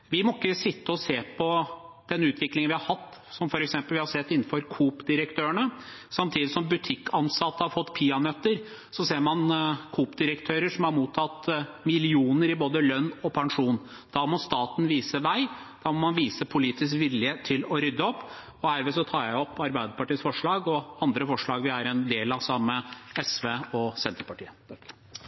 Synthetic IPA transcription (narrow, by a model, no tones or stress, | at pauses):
ʋɪmɔɪkːəsɪt̪ːəɔseːpʰɔd̪̥ɛnʉːt̪ʰʋɪklɪŋnʋɪhɑɾhɑt̪ː | sɔmfɔɾɛksɛmpəlʋɪhɑɾsɛt̪ːɪnːn̩fɔɾkʰuːpd̪ɪɾəkt̪ʰøːəɳə | sɑmt̪ʰiːd̪ɪsɔmbʉt̪ʰɪkːɑnsɑt̪ːəhɑɾfɔt̪ːpʰiːɑnœt̪ːəɾ | sɔseːɾmɑnkʰuːpd̪ɪɾəkt̪ʰøːɾəʂɔmhɑɾmuːt̪ʰːɑt̪mɪlɪuːnəɾɪboːd̪əlœnːɔpʰɑŋʂuːn | d̪̥ɑːmɔst̪ɑːt̪n̩ʋiːsəʋæɪd̪̥ɑːmɔmɑnʋiːsəpʰʊliːt̪ɪskʋɪlːɪheːt̪ʰːɪlɔɾʏd̪ːəɔpː | ɔhæɾʋesɔt̪ʰɑːjæɪɔpːɑɾbæɪd̪əpɑʈiːsfɔʂɭɑːɡɔɑnd̪ɾəfɔʂɭɑːɡʋɪæɾɛnd̪eːlɑsɑmːəɛsʋeːɔsɛnt̪ɾəpʰɑʈʰḭːə